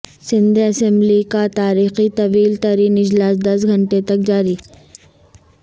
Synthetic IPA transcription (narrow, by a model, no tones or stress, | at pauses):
sɪ̃nd̪eɐsɛ̃mblikat̪aːɾiːxit̪ɐʋiːlt̪ɐɾiːnɪd͡ʒlaːsd̪ɐs̬ɡʱɐ̃ɳʈet̪ɐk̚d͡ʒaːɾiː